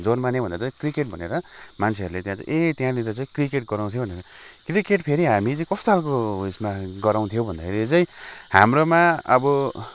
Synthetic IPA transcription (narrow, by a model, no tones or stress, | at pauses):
d͡zonmanebʱʌnd̪at͡sajkrikeʈ̚bʱʌneɾʌmant͡sʰeɦʌɾulet̪jãt͡sʌ̰ʔet̪jãlit̪ʌt͡saĩkrikeʈɡʌɾaw̃t̪ʰj̃bʱʌneɾʌkrikeʈpʰeɾiɦamit͡sʌj̃kʌst̪oɦalkoismaɡʌɾaw̃t̪ʰijobʱʌnd̪akʰeɾit͡sʌĩhamromaʌbʌ